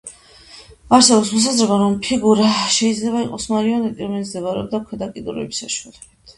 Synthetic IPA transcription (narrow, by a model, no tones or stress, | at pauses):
aɾsɛbɔpsmɔs̬azɾɛbaɾɔmpʰiɡuɾaʃɛid̪zlɛβaiqʼɔsmaɾiɔnɛt̪ʼiɾɔmɛnt̪sd̪ɛvaɾɛ̰bd̪akʰwɛd̪akʼid̪uɾɛ̰bisaʃualɛbit̪ʰ